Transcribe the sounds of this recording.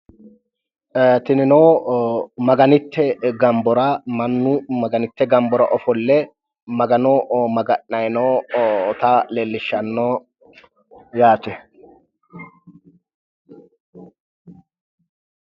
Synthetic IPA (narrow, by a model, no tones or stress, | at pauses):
t̪ɪnɪnoː | mɐɡɐnɪt̪ːɛɡɐmbɔɾɐmɐnːʊmɐɡɐnɪt̪ːɛɡɐmbɔɾɐʔɔfɔlːɛ | mɐɡɐnɔmɐɡɐʔːɐjɪnɔt̪ɐleːlːɪʃːɐnːoː | jaːt̪ɛ